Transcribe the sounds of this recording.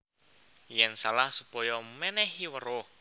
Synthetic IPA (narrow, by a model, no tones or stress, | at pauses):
jɛnsalahsupɔjɔmɛnɛɦiwəɾo